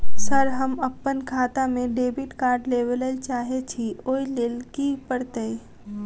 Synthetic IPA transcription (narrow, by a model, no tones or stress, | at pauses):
səɾɦəməpːənkʰaːt̪amẽɖeːbiʈkaːɾɖleʋələlt͡ʃaːɦet͡ʃʰioːileːlkipəɽt̪əi